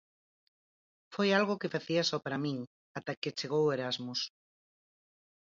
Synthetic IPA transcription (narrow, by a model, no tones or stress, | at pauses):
fojalɣokefaθiasɔpaɾamĩŋ | at̪aket͡ʃeɣ̞oweɾazmus